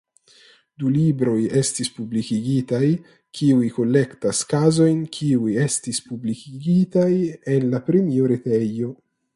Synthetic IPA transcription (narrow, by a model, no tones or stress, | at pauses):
d̪ulibɾo̞jestispublikiɡit̪aj | kʰiujko̞lːektaskazo̞jnkʰiujestispublikiɡit̪ajenlapɾemioɾet̪ejo̞